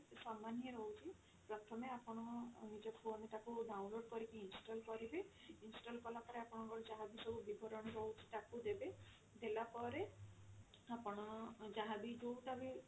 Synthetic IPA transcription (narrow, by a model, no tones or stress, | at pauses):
samanieɾɔɦut͡ʃʰi | pɾɔt̪ʰɔmeapɔɽ̃ɔnid͡ʒɔkʰuɔneʈakuɖawnloɖkɔɾikiinsʈɔlkɔɾibe | insʈɔlkɔlapɔɾeapɔɽ̃ɔ̃ŋkɔɾɔd͡ʒaɦabisɔbubibʱɔɾɔɽ̃ɔɾɔwt͡ʃʰi̥ʈakud̪ebe | d̪elapɔɾe | apɔɽ̃ɔd͡ʒaɦabid͡ʒowʈabi